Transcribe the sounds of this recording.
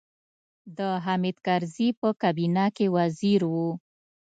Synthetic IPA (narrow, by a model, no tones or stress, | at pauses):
d̪əɦamid̪kaɾzipəkabinakewaziɾwu